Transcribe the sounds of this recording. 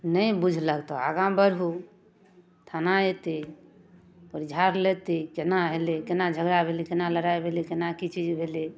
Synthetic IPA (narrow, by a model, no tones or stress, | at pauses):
nəjbud͡ʒʱləkt̪ɔa̰ɡãmbəɾɦu | t̪ʰanaet̪i | pəɾd͡ʒʱaɾlet̪ikenaɦelikenad͡ʒʱəɡɾabʱelikenaləɾaebʱelikenakit͡ʃid͡ʒbʱeli